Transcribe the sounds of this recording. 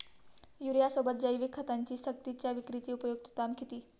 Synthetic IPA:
juɾijasobət̪̚d͡ʑəiʋikʰːət̪aɲt͡ɕiːsək̚t̪it͡ɕjaʋikɾit͡ɕiːupəjuk̚t̪ət̪amkʰit̪iː

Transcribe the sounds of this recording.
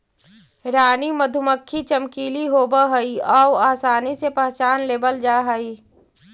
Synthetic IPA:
ɾaːniməd̪ʱʊməkʰːit͡ʃəmkiːliɦoːbəɦɐiɔːwaːsaːnisepəɦt͡ʃaːnleːbəld͡ʒaːɦəiː

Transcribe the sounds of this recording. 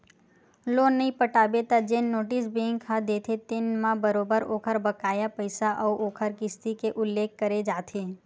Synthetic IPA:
lonːəĩpəʈabet̪ad͡ʒenːoʈisbeŋkʰad̪et̪ʰet̪enmãbəɾobəɾoːkʰəɾbəkajapəjsaʔəuʔokʰəɾkɪst̪ikeʔʊlːekːəɾed͡ʒaːt̪ʰe

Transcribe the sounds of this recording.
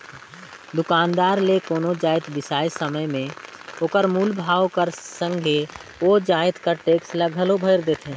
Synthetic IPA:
d̪ʊkaːnd̪aːɾlekoːnod͡ʒaːɪt̪ʋɪsaːjsəməjmẽ | oːkəɾmuːlbʱaːʋkəɾsə̃ŋɡʱeod͡ʒaːɪt̪kəɾʈeːksləɡʱəlobʱəɪɾd̪eːt̪ʰɦẽ

